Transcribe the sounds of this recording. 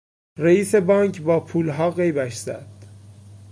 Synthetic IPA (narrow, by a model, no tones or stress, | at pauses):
ɾeiːse̞bɒːŋkʰbɒːpʰuːlɦɒːɣe̞jbæʃz̥æ̰d̪̥